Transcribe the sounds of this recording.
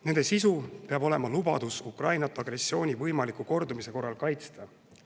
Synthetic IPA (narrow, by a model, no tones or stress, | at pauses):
ne̞nd̪esisupe̞ɑbo̞le̞mɑlubɑ̰d̪̥usukrɑjnɑt̪ːˑɑɡ̥ɾe̞sːjo̞ːnʲivɤjmɑlikːuko̞rd̪umise̞ko̞rːɑlkɑjt̪st̪ɑ